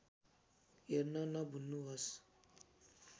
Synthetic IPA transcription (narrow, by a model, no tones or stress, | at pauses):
jɛɾnanabunuwas